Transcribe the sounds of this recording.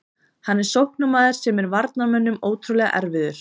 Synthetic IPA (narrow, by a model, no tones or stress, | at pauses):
hanːɛɾ̥sowhknamaːðɪɾ̥sɛmɛɾvaɾt̪namœnːʏmoːwt̪ʰɾulɛːɣa̰ʔɛ̰ɾvɪðʏɾ̥